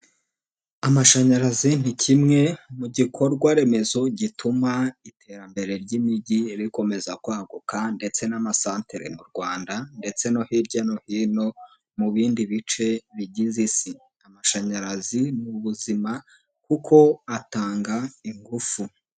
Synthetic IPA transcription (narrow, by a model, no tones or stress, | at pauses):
amaʃaɲaɾazin̥icʰimŋe̞muɟikʰo̞ɾɡwaɾe̞me̞zo̞ɟitʰumaitʰe̞ɾambe̞ɾe̞ɾɟimiɟiɾiko̞me̞zakwaːɡukande̞t͡se̞namasaːnteɾḛmuɾɡwaːndande̞t͡se̞no̞hiɾɟano̞hiːno̞ | muβiːndiβit͡ʃe̞βiɟizisi | amaʃaɲaɾazinuβuzima | kukʰo̞ataːŋɡaiŋɡufu